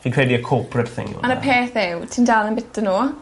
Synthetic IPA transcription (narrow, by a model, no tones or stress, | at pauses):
fikʰɹ̥ɛdiəkʰɔːpʰɹətθɪ̰̃ŋj̰manəpʰeːθɛwtʰindalˠənbɪtənoː